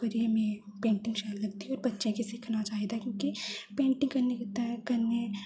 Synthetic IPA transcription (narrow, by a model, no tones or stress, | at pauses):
kɐɾiemẽpẽːɳʈɪ̃ŋɡʃaːllɐɡ̚t̪iɔːɾbɐtːʃẽkesɪkʰnat͡ʃaːɦed̪akʲjõːkipẽːɳʈɪ̃ŋɡkɐnekɐɾne